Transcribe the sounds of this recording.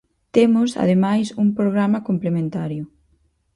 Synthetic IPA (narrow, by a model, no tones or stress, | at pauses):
t̪emʊsa̰ðemajsuŋpɾoɣɾamɐkomplemẽnt̪aɾjʊ